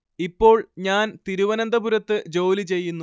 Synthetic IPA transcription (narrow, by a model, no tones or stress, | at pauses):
ipːo̞ːɭɲaːnt̪iɾuʋɐnɐnd̪ɐbuɾɐt̪ːɨd͡ʑo̞ːlit͡ɕe̞jːunːu